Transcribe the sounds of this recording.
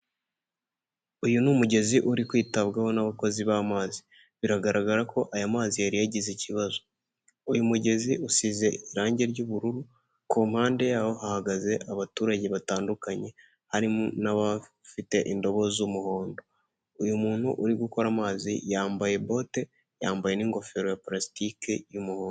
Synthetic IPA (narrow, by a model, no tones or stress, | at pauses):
ujunumuɟe̞ziʔuɾikwiːtaβɡaho̞naβako̞ziβamaːzi | βiɾaɡaɾaɡaɾako̞ʔajamaːzijaɾijaɟiziciβazo̞ | ujumuɟe̞ziusize̞iɾaːɲɟe̞ɾɟuːβuɾuɾu | kumhaːnde̞jaːho̞hahaɡaze̞ʔaβatuːɾaɟe̞βataːndukaɲe̞ | haɾimnaβa | fite̞ʔindo̞βo̞zumuho̞ːndo̞ | ujumuːn̥hṵʔuɾiɡuko̞ɾamaːzḭjaːmbaje̞bo̞ːte̞ | jaːmbaje̞niːŋɡo̞fe̞ɾojapɾasi̥tikejumuhoːn